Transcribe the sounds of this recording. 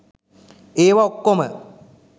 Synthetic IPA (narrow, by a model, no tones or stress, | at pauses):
eːʋaokːomə